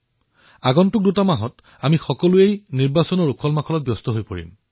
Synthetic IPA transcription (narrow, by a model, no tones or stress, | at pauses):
aɡɔntʊk̚dutamaɦɔt | amixɔkɔlʊejniɹbasɔnɔɹukʰɔlmakʰɔlɔt̚bjɔstɔɦojpoɹḭm